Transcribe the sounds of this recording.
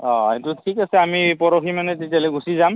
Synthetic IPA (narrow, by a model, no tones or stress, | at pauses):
ɔ̃etʊtʰikasɛamipɔɹoximanɛtetjalɛɡʱusizam